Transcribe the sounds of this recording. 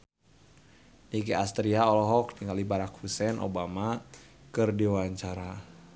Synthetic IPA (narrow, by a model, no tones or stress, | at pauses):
nikiast̪ɾiaɔlɔɦɔk̚niŋalibaɾakhusɛnʔo̰bamakɨrdiwaɲt͡ʃaɾa